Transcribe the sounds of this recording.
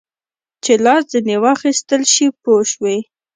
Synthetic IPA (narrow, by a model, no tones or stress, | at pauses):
t͡ʃelɑszinewɑxist̪əlʃipoʃwe